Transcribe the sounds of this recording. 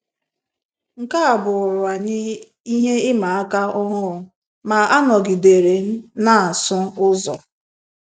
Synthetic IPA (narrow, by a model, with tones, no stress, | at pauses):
ŋ̩˨ka˦a˨bʊ˨ʊ˨ɾʊ˨a˨ɲɪ˦ | i˦ɦe˦ɪ˦ma˨a˦ka˦ʊ˦ɦʊ˦ɾʊ˨ | ma˨a˦nɔ˨ɡi˨de˨ɾe˨˦na˨a˨sʊ˦ʊ˦zɔ˨